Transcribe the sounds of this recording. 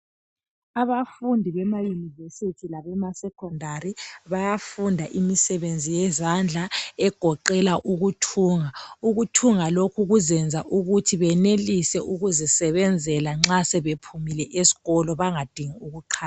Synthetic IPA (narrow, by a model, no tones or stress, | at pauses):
aβafundʱiβɛmajunivesitʰilaβɛmasɛkʰɔndʱaɾiβajafundʱaʔimisɛβend͡zʱijɛzand͡ɮʱaɛɡ̥ʱɔǃɛlaʔuɣutʰuːŋauɣutʰuŋalokʰuɣuzɛnd͡zʱaʔuɣutʰiβɛnelisɛʔuɣuzɛsɛβɛnd͡zʱɛlaŋ͡ǁasɛβepʰumilɛʔesi̥ɣɔlɔβaŋad̥ʱiŋiuɣuǃʰaːa